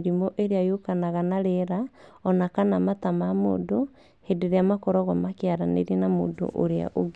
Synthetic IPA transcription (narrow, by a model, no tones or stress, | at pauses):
ɾimɔʔeɾeajokanaɣanaɾeɾaɔnakanamatamamo̰ːdo | hedeɾeamakɔɾɔɣɔmakeaɾanḛɾinamo̰ːndo̰ʔo̰ɾea̰ʔoɡ